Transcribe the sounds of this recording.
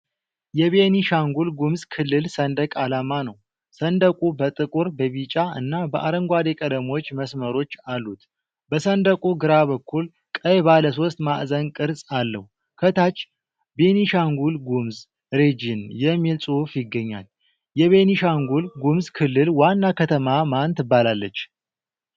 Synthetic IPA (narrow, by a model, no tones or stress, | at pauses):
jɛβeniʃaŋɡulɡumzkʰɨlːɨlsənd̪əkʼalamanəw | sənd̪əkʼubət̪ʼɨkʼuɾbəβit͡ʃʼaʔɨ̰nːabəʔaɾəŋɡʷad̪ekʼəd̪əmo̞t͡ʃːməsməɾo̞t͡ʃːalːut̪ | bəsənd̪əkʼuɡɨɾaβəkːul | kʼəjbaləso̞st̪maʔzənkʼɨɾsʼalːə̰h | kʰət̪at͡ʃː | be̞niʃaŋɡulɡumz | ɾed͡ʒinjɛmːilsʼuhfjɪɡːəɲːa̰l | jɛβe̞niʃaŋɡulɡumzkʰɨlːɨlwanːakʰət̪ʰəmamant̪ɨbːalalːət͡ʃː